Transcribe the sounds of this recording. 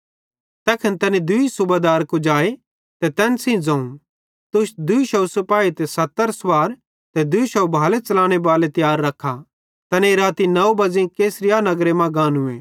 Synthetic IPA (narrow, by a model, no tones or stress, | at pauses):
t̪ɛːkʰɐnt̪ɐnẽd̪ʊisʊbad̪aːɾkud͡ʒaːe | t̪ɛt̪ɛːnsĩd͡zɐ̃ːũ | t̪ʊʃd̪ʊiʃɐusɐpaːit̪esɐt̪ːəɾswaːɾ | t̪ɛd̪ʊiʃɐwbʱaːlet͡ʃɐlãːɽ̃ebaːlet̪jaːɾːɐkʰːa | t̪ɐnẽɾaːt̪inɐobɐd͡zẽkeːsɾɪjanɐɡɾemɐ̃ɡãːnʊeː